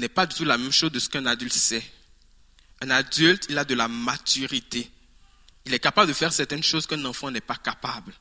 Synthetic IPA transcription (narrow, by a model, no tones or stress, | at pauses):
nɛpad̪yt̪ulamɛmʃozd̪əsə̥kɛ̃nad̪ylt̪sɛ | ɛ̃nad̪ylt̪ʰilad̪əlamat̪yʁit̪e | ilɛkapabld̪əfɛʁsɛʁt̪ɛnʃozkɛ̃nɑ̃fɑ̃nɛpakapabl